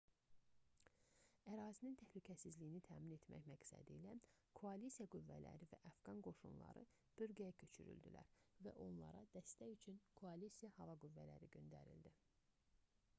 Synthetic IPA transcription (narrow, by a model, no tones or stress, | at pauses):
æɾɑːzinint̪ʰæhlycʰæsizlijinit̪ʰæːmine̞t̪ʰmæ̰çmæksæ̰d̪ḭːlækʰoɑlisijɑɡuvːælæ̰ɾivæ̰ʔɑfɡɑnɡo̞ʃunlˠɑ̰ɾɯ̰ | b̥øɾɡæjæcʰø̞t͡ʃʰy̰ɾy̰ld̪ḭlæ̰ɾvæʔo̞nlˠɑ̰ɾɑ̰d̪̥æst̪æjyt͡ʃʰynkʰoɑlisijɑhɑvɑɡuvːælæɾiɟø̞nd̪æɾḭld̪i